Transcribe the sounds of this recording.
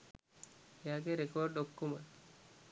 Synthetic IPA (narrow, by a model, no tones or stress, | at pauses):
ejaːɡeɾekorɖokːumə